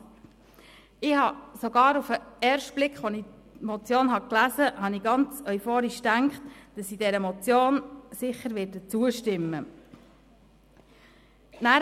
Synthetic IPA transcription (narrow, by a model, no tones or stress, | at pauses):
ɪhɑsoɡɑːɾufəɛrʃtb̥lɪkχʋɔni | mɔt͡sjoːnɦɑklæzəhɑniɡɑnt͡sœʏfoːɾiʃtæŋkχtd̥ɑsidɛɾəmɔt͡sjoːnsɪχəɾʋɪɾdət͡suəʃtɪmːə | næː